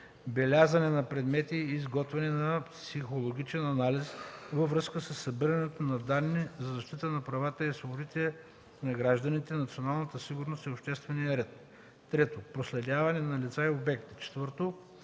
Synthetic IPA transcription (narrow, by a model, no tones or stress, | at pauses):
bɛlʲazɐnɛnɐpɾɛd̪mɛt̪iːzɡɔt̪vɛnɛnɐpsixolˠoɡ̟it͡ʃɛnɐnalisvɐvɾɤskəsəsːɐbiɾɐnɛt̪onɐd̪anːizɐzɐʃt̪it̪ənɐpɾɐvat̪əisvobʊd̪it̪ɛɛ | nɐɡɾaʒd̪ɐnit̪ɛnɐt̪sionalˠnət̪əsiɡʊɾnost̪iopʃt̪ɛst̪vɛniəɾɛt̪̚ː | ɾɛt̪opɾoslɛd̪ʲavɐnɛnɐlit̪saɛobɛkt̪i̥t͡ʃɛ̥t̪vɤɾt̪o